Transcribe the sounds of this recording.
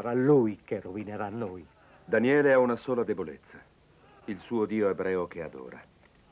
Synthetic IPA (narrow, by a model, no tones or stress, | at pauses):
ɾalujkerovineɾanːoj | d̪aniɛːleaunasoːlad̪ebolḛt̪sːa | ilsuːod̪iːoebɾɛːok̟ead̪o̰ːɾa̰